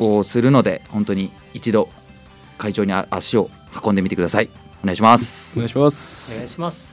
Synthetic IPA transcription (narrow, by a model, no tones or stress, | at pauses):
oːsɨɾɯ̟no̞d̪e̞̰hõ̞nt̪o̞ɲ̟iː | t͡ɕid̪o̞ | kaiʑo̞ːɲ̟ia̰ɕio̞ | hḁkond̪emʲitekd̪asai | oneaiɕimasɨ̥as